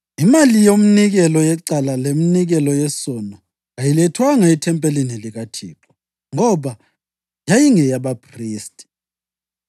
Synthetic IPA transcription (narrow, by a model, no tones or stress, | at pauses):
imalijom̩niɣɛlɔjɛǀalaleminiɣɛlɔjɛsɔnɔ | ajilɛtʰwaŋaitʰɛmpʼeliniliɣatʰiːǁɔ | ŋɔβa | jajiŋɛjaβapʰriːstʼi̥